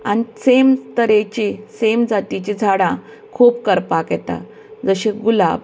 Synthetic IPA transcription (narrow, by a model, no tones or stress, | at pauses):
a̰nisemt̪əɾet͡ɕisemd͡zat̪it͡ɕid͡zʱaɽã | kʰuːpkəɾpaket̪a̰ | d͡zəɕeɡulab